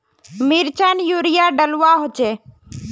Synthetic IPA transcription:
miɾt͡ʃaːnjuːɾɪjaɖəluwaɦoːt͡ʃeː

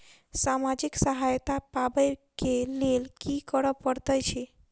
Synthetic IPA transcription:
samad͡ʒiksəɦajt̪apabəjkelelkikəɾəpəɾt̪ət͡ʃʰe

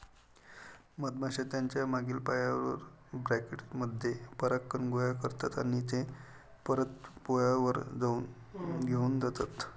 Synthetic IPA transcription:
məd̪̚maɕat̪jaɲt͡ɕjamaɡiːlpajaə̰ɾ | bɾakeʈməd̪ʱjepəɾakːəɳɡojakəɾt̪at̪a̰ñiːt̪e | pəɾət̪pojaʋəɾd͡zau | ɡʱeuːnd͡zat̪at̪

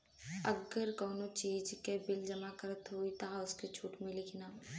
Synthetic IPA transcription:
əɡəɾkɔːnot͡ʃiːd͡ʒkebɪld͡ʒɐmakəɾət̪ɦoit̪aʊsket͡ʃʰuːʈmẽlɪkʰnaː

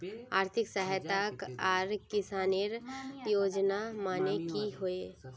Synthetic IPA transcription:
aːɾt̪ʰɪksəɦjt̪akaːɾkɪsaːniɾjoːd͡ʒnamaːnekiɦoeː

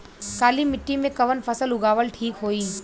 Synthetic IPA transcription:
kaːlimɪʈːimẽkɐʋənpʰɐsəlʊɡaːʋəlʈʰiːkɦoːiː

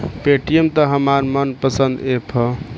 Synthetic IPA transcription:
peʈijemt̪əɦəmaɾmənpəsə̃nd̪epʰʌ

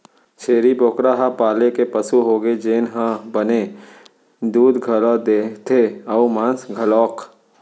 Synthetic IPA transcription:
t͡ʃʰeːɾiboːkɾaːɦapaːlekepɐsuɦoːɡed͡ʒeːnɦãbɐne | d̪uːd̪ɡʱɐlɔːd̪et̪ʰeɔumãːnsɡʱɐlɔːk

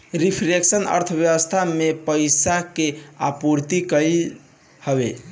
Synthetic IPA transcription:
ɾipʰɾeksənə̰ɾt̪ʰəbjəʋəst̪ʰamepəjsakeapuɾt̪ikəj | həbḛ

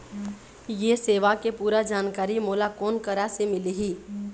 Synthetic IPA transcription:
jeseːʋakepuːɾad͡ʒaːnkaːɾimoːlakɔːnkəɾasemɪliɦiː

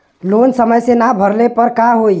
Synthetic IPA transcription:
lonsəməjsenabʱəɾlepəɾkaɦoj

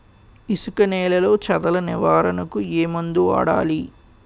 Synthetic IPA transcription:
isukɐnɛːlɐlo̞ːt͡ʃɐd̪ɐlɐniʋaːɾɐnɐkueːmund̪ua̰ːɽa̰ːli

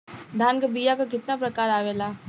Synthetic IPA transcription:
d̪ʱaːnkəbijakak̬ɪt̪napɾɐkaːɾaːʋeːlaː

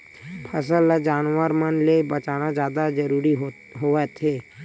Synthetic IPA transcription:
pʰəsəlad͡ʒaːnwəɾmənlebət͡ʃaːnad͡ʒjaːd̪ad͡ʒəɾuːɾi | ɦoɛt̪ʰeː

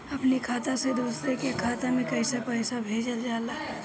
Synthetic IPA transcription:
ɐpnikʰaːt̪ased̪uːsɾekekʰaːt̪amẽkəɪsapəɪsabʱeːd͡ʒəld͡ʒaːlaː

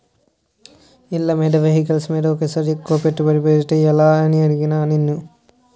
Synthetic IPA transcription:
ilːɐmeːɖɐʋeɦikɐlsmeːɽɐokːesɐɾikːoːpeʈːupɐɾipeːʈːeɐlaːɐniɐɾiɡinaːninːu

